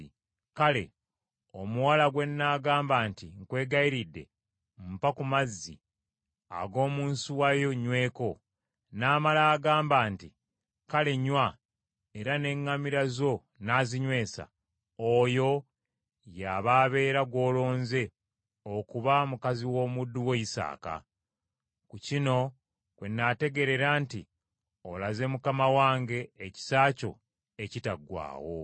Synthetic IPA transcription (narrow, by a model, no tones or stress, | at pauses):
kale̞̰ | o̞muwalaɡwe̞nːaːɡaːmbaːntiŋkwe̞ːɡaiɾidːe̞̰ | m̩pakumazːḭ | a̰ɡo̞ːmuːnsuwajo̞ɲwe̞ːko̞ | naːmalaːɡaːmbaːnti | kale̞ɲwa | e̞ɾane̞ŋːamiɾazo̞ | naːziɲwe̞ːsa̰ | ojo̞ | jaːβaːβe̞ːɾaɡwo̞ːlo̞ːnze̞ | okuβamukaziwo̞ːmudːuweisa̰ːka̰ | kucino̞ | kwe̞nːate̞ɡe̞ɾe̞ɾaːntḭ | o̰laze̞mukamawaːŋɡe̞ːci̥saːco̞̰ | ecitaɡwa̰ːwo̞̰